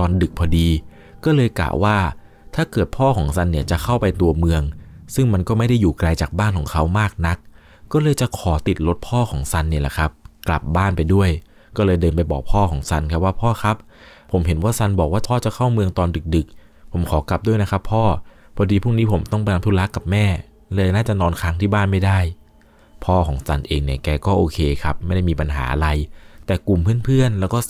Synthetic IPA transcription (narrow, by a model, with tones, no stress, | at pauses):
t̪ɔː˧ndɯ˨˩k̚pʰɔː˧diː˧ | kɔː˥˩lɤː˧jkla̰ː˨˩waː˥˩ | t̪ʰaː˥˩kɤː˨˩t̪̚pʰɔː˥˩kʰɔː˩˦ŋsa˧nːi˥˩t͡ɕa˨˩kʰa˥˩wpa˧jt̪u˧ɐmɯ˧əŋsɯ˥˩ŋma˧nkɔː˥˩ma˥˩jda˥˩jːuː˨˩kla˧jt͡ɕaː˨˩k̚baː˥˩nkʰɔː˩˦ŋkʰa˦˥wmaː˥˩k̚na˦˥k̚ː | ɔː˥˩lɤː˧jt͡ɕa˨˩kʰɔː˩˦t̪i˨˩t̪̚lo˦˥t̪̚pʰɔː˥˩kʰɔː˩˦ŋsa˧nːi˥˩la̰˨˩kʰɾa˦˥p̚kla̰˨˩p̚baː˥˩npa˧jdu˥˩əj | kɔː˥˩lɤː˧jdɤː˧npa˧jbɔː˨˩k̚pʰɔː˥˩kʰɔː˩˦ŋsa˧nkʰa˦˥p̚waː˥˩pʰɔː˥˩xʰa˦˥p̚ʰ | o˩˦mɦe˩˦nwaː˥˩sa˧nbɔː˨˩k̚waː˥˩t̪ʰɔː˥˩t͡ɕa˨˩kʰa˥˩wmɯ˧əŋt̪ɔː˧ndɯ˨˩k̚dɯ˨˩k̚ | pʰo˩˦mkʰɔː˩˦kla˨˩p̚du˥˩əjna˦˥kʰa˦˥pʰːɔː˥˩ | pʰɔː˧diː˧pʰuː˥˩ŋniː˦˥pʰo˩˦mt̪ɔ˥˩ŋp̬a˧jna˧˥mt̪u˧˩la˦˥kːa˨˩p̚mɛː˥˩ | lɤː˧jnaː˥˩t͡ɕa˨˩nɔː˧nkʰa˦˥ŋt̪ʰiː˥˩baː˥˩nma˥˩jda˥˩j | pʰɔː˥˩kʰɔː˩˦ŋsa˧nʔeː˧ŋni˧˩kɛː˧kɔː˥˩ʔoː˧kʰeː˧kʰa˦˥p̚ma˥˩jda˥˩jmiː˧pa˧nɦa̰ː˩˦ʔa̰˧ɾa˧jt̪ɛː˨˩ku˨˩mpʰɯ˥˩ənpʰɯ˥˩ənlɛː˦˥wkɔː˥˩